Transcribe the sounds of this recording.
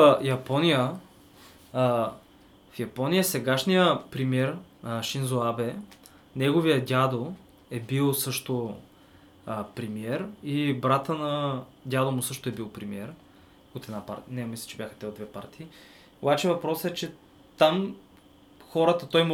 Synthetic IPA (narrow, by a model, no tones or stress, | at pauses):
jɐpɔnijə | fjɐpɔnijəsɛɡaʃnijəpɾimiɛɾʃinzoabɛ | nɛɡovijəd̪ʲad̪o | ɛbilˠsɤʃt̪o | əpɾɛmiɛɾibɾat̪ənɐd̪ʲad̪omʊsɤʃt̪ʊɛbilˠpɾimiɛɾ | ot̪ɛd̪napa̰ɾnɛmislʲi̥t͡ʃɛbʲjaxə̥t̪ɛod̪vɛpa̰ɾt̪iː | obat͡ʃɛvɐpɾɔsɛt͡ʃɛ | t̪am | xɔɾət̪ət̪ɔjmu